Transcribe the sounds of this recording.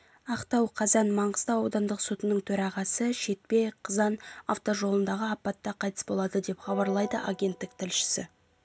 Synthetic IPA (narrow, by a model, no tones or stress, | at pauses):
ɑqt̪ɑwqʰɑzɑnmɑɴʁəz̥t̪ɑwɑwd̪ɑnd̪əqsut̪ənəɴt̪ʰɵɾɑʁɑsəʃe̞t̪̚pe̞qʰəzɑnɑ̰ft̪o̞ʒo̞lˠənd̪ɑʁəɑpːɑt̪ːɑqʰɑjt̪ə̥sbo̞lˠɑd̪əd̪e̞pχɑbɑɾlˠɑjd̪əʔaɡʲe̞nt̪ːɪk̚t̪ʰɪlʃɪ̥sɪ̰